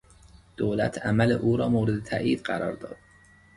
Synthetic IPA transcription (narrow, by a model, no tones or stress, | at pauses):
d̪̥oːlæ̰t̪ʰæmælḛʔuːɾɒːmoːɾed̪et̪ʰæ̰ʔiːd̪ɢæɾɒ̰ːɾd̪ɒ̰ːd̪̥̚